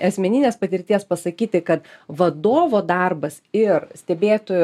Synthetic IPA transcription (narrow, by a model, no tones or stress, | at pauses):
ɐsʲmʲɛnʲɪnʲeːspɐt̪ʲɪɾʲt̪ʲiɛspɐsɐkʲiːt̪ʲɪkɐt̪ʋɐd̪oːʋoːd̪ɐrbɐsɪɾsʲt̪ʲɛbʲeːt̪oːjʊ